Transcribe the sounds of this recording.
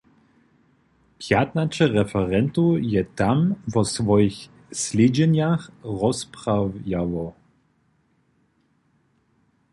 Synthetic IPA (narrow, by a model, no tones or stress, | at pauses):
pjat̪nat͡ʂɛɾɛfɛɾɛnt̪ujɛt̪amvɔsvɔjix | slʲɛd͡ʑɛɲaxrɔspɾavjavɔ